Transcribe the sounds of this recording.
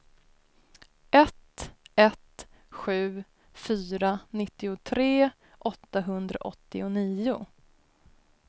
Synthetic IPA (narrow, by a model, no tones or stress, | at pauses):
ʔɛt̪ɛt̪ | ɧʉ̟ː | fyːɾanɪt̪ːɪʊt̪ʰɾeː | ʔɔt̪ːaɦɵnd̪ɾa̰ʔɔt̪ːɪʊniːʊ